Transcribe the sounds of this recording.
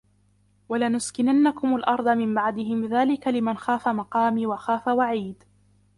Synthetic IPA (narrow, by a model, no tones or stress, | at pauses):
walanʊskɪnanːakʊmalʔɑɾˤd̪ˤɑmɪmbaʕd̪ɪɦɪmðaːlɪkalɪmanxaːfamɑqɑːmiːwaxaːfawaʕiːd̪